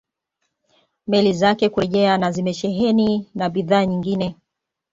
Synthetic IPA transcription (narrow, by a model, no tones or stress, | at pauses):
mɛlizakɛkuɾɛʄɛanazimɛʃɛɦɛninaɓiðaːɲiŋɡinɛ